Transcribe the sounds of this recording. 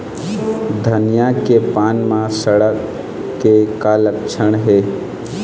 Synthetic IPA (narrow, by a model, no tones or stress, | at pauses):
d̪ʱənijakepaːnmãsəɽəkː | ekalək̚t͡ʃʰəɽ̃ɦeː